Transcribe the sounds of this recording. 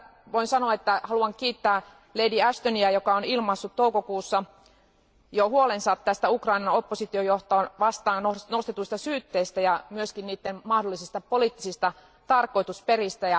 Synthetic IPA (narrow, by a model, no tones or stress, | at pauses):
ʋoinsɑnoɑet̪ːæhɑluɑŋkiːt̪ːæː | leidiæst̪oniæjokɑonilmɑsːut̪towkokuːsːɑ | johuolensɑt̪t̪æst̪æukrɑinɑno̞pːosit̪iojoht̪oʋɑst̪ɑːnnonost̪et̪uist̪ɑsyːt̪ːeist̪æjɑmyøskinniːt̪ːenmɑhdolːˑisist̪ɑpoliːˑt̪ːisist̪ɑ | t̪ɑrkoit̪usperist̪æjɑ